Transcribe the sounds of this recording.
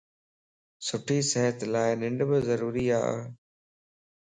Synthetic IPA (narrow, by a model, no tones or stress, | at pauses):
sʊʈʰiːsɛɦət̪laːɪnɪ̃ɳɖbɪzəɾuːɾiːa̰ː